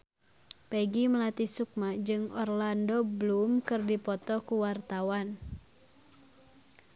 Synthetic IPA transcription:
pɛɡiməlat̪isuk̚mad͡ʒɨŋɔrlandɔblumkɨrdipɔt̪ɔkuwart̪awan

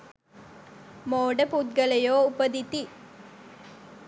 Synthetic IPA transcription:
moːɖɐput̪̚ɡɐlɐjoːupɐd̪it̪i

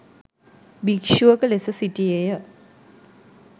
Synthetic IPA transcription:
bikʃuəkəlesesiʈiejə

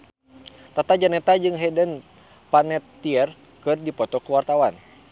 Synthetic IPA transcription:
t̪at̪ad͡ʒanɛt̪ad͡ʒɨŋɦɛdɛn | panɛt̪ːiɛr | kɨrdipɔt̪ɔkəwart̪awan

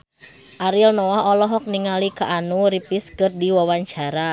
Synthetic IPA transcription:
ʔaɾilnɔaɔlɔɦɔk̚niŋalikaʔanuɾipiskɨrdiwawaɲt͡ʃaɾa

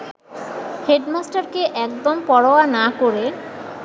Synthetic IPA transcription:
heɖmasʈaɾkeʔɛkd̪ompɔɽoanakoɾe

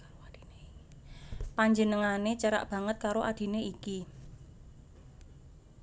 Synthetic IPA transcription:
paɲd͡ʒənəŋanet͡ʃəɾa̰ʔb̥ä̤ŋət̪̚kaɾoʔad̪̥i̤neiki

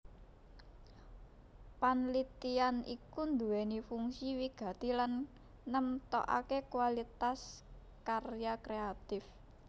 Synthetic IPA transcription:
panlit̪ianikund̪uwɛnifuŋsiwiɡ̥a̤t̪ilanː | əmt̪ɔ̰ʔa̰kekuwalit̪as | karjakɾeat̪ɪf

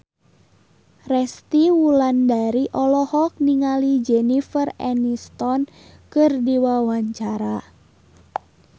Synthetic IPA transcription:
rɛst̪iwulandaɾiʔɔlɔhɔk̚niŋalid͡ʒɛnifərɛ̰nist̪ɔn | kɨrdiwawaɲt͡ʃaɾa

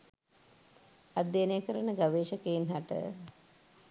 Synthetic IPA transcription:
ad̪jenejəkəɾənəɡaʋeːʃəkejinɦaʈə̰

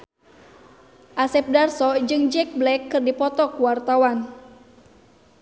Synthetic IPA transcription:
ʔasɛp̚darsɔd͡ʒɨŋd͡ʒɛk̚blɛkːɨrdipɔt̪ɔkuwart̪awan

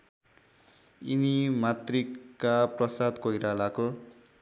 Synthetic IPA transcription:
inimat̪rikːaprʌsad̪kojɾalako

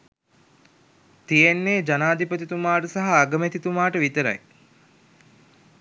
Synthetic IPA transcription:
t̪ijenːeːd͡ʒanaːd̪ʱipət̪it̪umaːʈəsaɦaːɡəmet̪it̪umaːʈəʋit̪əɾa̰j

